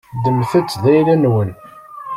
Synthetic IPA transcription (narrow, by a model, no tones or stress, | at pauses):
d̪əmθət͡sːðæjlænwən